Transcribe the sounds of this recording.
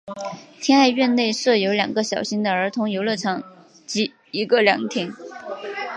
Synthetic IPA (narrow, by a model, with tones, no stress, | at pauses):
t̪ʰjɛ˥na˥˧ɪɥɛ˥˧nne˥˧ɪʂɤ˥˩jo˧˥ʊljɑ˨˩ŋɡə˦ɕjɑ˨˩ʊɕi˥ŋd̪ə˨ə˞˧˥t̪ʰʊ˧˥ŋjo˧˥ʊlə˥˩ʈ͡ʂʰɑ˧˥ŋ | t͡ɕi˧˥ | i˧˥ɡə˧ljɑ̰˨˩˦ŋt̪ʰjɛ˧˥n